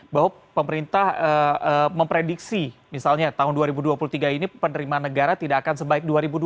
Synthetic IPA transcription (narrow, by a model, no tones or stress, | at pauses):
baɦwa | pəməɾint̪ahəəməmpɾediksimisalɲat̪aɦʊnduaɾibuduapuluht̪iɡainipənəɾimanəɡaɾat̪idaːkansəbaɪk̚duaɾibudu